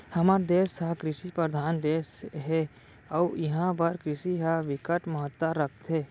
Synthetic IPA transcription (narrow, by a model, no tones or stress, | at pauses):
hɐmaːɾd̪eːsaɦkɾɪʃipɾəɾd̪ʱaːnd̪eːsɦɛ | ɔːjɐɦãbəɾkɾɪʃiɦaʋɪkəʈməɦət̪ːaɾəkʰt̪ɦɛː